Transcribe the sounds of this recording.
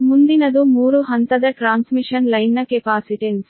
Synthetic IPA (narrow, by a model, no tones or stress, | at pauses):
mund̪inɐd̪umuːɾuɦɐnt̪ɐd̪ɐʈɾaːnsmiʂɐnlɐjnːɐkepaːsiʈens